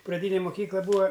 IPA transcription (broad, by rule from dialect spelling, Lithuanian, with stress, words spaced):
prɐˈdʲiːnʲeː mʊˈkʲiːklˠɐ ˈbuːɐ